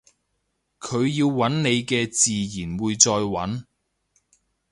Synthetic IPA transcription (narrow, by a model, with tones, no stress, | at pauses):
kʰɵ˨˧ɥjiː˧wːɐ˨˥nne˨˧jkɛː˧t͡siː˨jiː˨˩nwuː˨jt͡sɔː˧jwɐ̰˨˥n